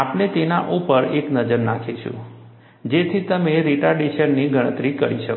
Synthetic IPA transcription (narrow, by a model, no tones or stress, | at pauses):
apnet̪enaʔupəɾeknəd͡ʒəɾnakʰiʃṵ̃ | d͡ʒet̪ʰit̪əmeɾiʈaɖiʃəɽniɡʱəɽ̃ət̪ɾikəɾiʃək